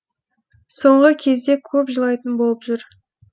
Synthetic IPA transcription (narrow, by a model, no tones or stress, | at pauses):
so̞ɴʁəkʲʰe̞zd̪e̞kʲʰɵpʒəlˠɑjt̪ənbolˠəpʒʏɾ